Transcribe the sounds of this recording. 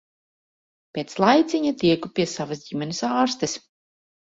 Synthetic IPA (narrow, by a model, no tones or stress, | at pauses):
pʲeːt̪slˠajt̪sʲiɲat̪ʲiɛkupʲiɛsavas̬ɟimʲɛnʲesaːɾst̪ɛs